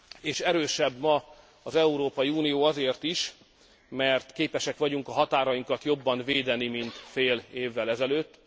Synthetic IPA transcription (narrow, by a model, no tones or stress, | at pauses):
eːʃɛɾøːʃɛbːmɒ | ɒzɛuɾoːpɒjiuːnijoːɒzeːrt̪iʃ | mɛrt̪keːpɛʃɛkʋɒɟuŋkɒɦɒt̪aːɾɒjiŋkɒt̪jo̞bːɒnveːd̪ɛnimint̪feːleːvːɛlɛzɛløːt̪ː